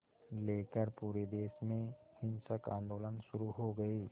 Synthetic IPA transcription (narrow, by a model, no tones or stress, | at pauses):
leːkəɾpuːɾed̪eːʃmẽhɪ̃nsəkãːnd̪oːlənʃʊɾuɦoɡɐiː